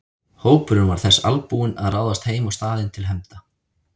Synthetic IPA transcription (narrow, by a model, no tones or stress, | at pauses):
hoːwpʏɾʏnvaɾ̥θɛsːa̰lpuːɪnaðraːwðast̪heːjmawst̪aːðɪnt̪ʰɪlɦɛmt̪a